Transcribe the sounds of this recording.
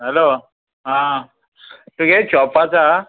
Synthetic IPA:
ɦɛlo | ɦã | t̪ukɛt͡ɕɔpat͡sa

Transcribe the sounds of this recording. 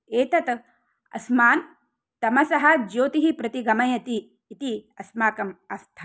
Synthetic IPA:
eːt̪ɐt̪ | ɐ̰smaːn | t̪ɐmɐsɐɦɐd͡ʒoːt̪iɦipɾɐt̪iɡɐmɐjɐt̪iː | t̪iɐsmaːkɐmaːst̪ʰɐ

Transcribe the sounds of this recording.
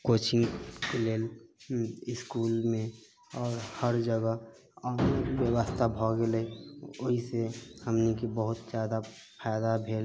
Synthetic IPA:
koːt͡ʃɪŋɡkeleːl | ɪskuːlmẽ | ɔːɾhəɾd͡ʒəɡə | ɔːneʋjəwəst̪ʰabʱɔɡeleioɦisehəmnikibəɦʊt̪d͡ʒjaːd̪a | pʰajd̪abʱeːl

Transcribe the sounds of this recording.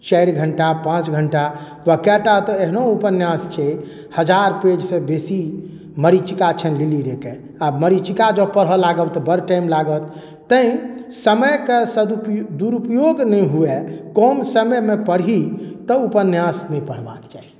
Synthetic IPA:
t͡ʃəjɽɡʱəɳʈapãt͡ʃɡʱəɳʈa | ʋəkɛʈat̪ɔeɦnoupənjãst͡ʃʰɛ | həd͡ʒaɾped͡ʒsẽbesi | məɾit͡ʃikat͡ʃʰənliliɾeke | abməɾit͡ʃikad͡ʒəpəɽɦɔlaɡəwt̪ɔbəɾʈajmlaɡət̪ː | ə̃ĩsəməjkesəd̪upd̪uɾupjoɡnɛjɦuekɔnsəməjmepəɽit̪ɔupənjãsnɛipəɽ̤ba̰kt͡ʃa̰ɦi

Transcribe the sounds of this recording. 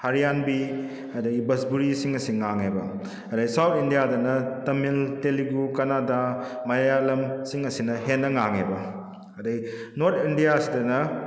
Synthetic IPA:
hɐɾijanbi | ɐdɐɡibɐsbuɾisiŋɐsiŋaŋebɐ̰ | ɐdɐɡisawtʰindijadɐnɐtɐmilteliɡukɐnadamɐjjalɐmsiŋɐsinɐɦenːɐŋaŋḛbɐ | ɐdɐɡinoɾtʰindijasidɐnɐ

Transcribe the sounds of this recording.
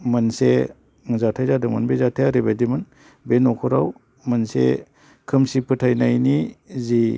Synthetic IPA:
mɯnse | ŋzatʰajzadɯmanbezatʰajaɾibajdimɯn | benɔkʰuɾaw | mɐnsḛ | kʰɯmsipʰɯtʰajnajnizi

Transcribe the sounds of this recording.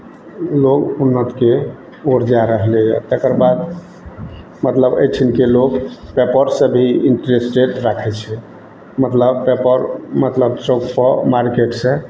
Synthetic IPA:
loɡunːət̪ke | oɾd͡ʒaɾəɦleja̰t̪ekəɾbad̪ | mət̪ləbə̰jt͡ʃʰinkelokpepəɾsəbʱiiɳʈɾesʈeʈɾakʰɛt͡ʃʰɛ | mət̪ləbpepəɾmət̪ləbt͡ʃokpəmaɾkeʈsẽ

